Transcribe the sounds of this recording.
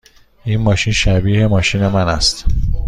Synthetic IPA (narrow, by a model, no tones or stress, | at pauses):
ʔinmɒːʃinʃæbiːhe̞mɒːʃiːne̞mænæ̰st̪